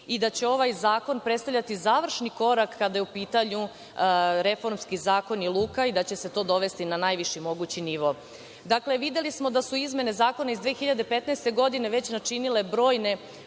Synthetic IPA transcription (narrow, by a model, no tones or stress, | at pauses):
id̪at͡ɕe̞o̞ʋajzaːko̞npɾet̪st̪aʋʎat̪izaːʋr̩ʃniko̞ɾakːad̪ajeupiːt̪aɲu | ɾe̞fo̞ɾmskizaːko̞nilˠuːkaid̪at͡ɕe̞se̞t̪o̞ːd̪o̞ʋe̞st̪inanajʋiʃimo̞ɡut͡ɕiniʋo̞ | d̪akle̞ʋid̪elismo̞d̪asuizme̞ne̞zaːko̞naizd̪ʋeːxiʎad̪epe̞t̪nɛst̪e̞ɡo̞d̪ineʋe̞t͡ɕnat͡ʂinile̞bɾo̞ːjne̞